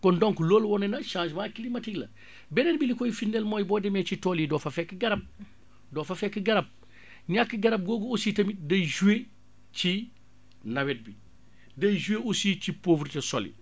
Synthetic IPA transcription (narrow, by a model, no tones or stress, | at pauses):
kɔndɔŋkuloːlwɔnɐnɐʃãːʃmakilimɐtiɡlɐ | bɛnenbilikɔjifindelmɔːjbɔːdɛmɛt͡ʃitɔlidɔːfɐfɛkːɡɐɾɐp̚ | dɔːfɐfɛkːəɡɐɾɐb̚ | ɲakːəɡɐɾɐp̚ɡoːɡuusitɐmidɐjʒuwe | ci | nɐwɛt̚bi | dɐjʒueʔusicipovɾtesɔlḭ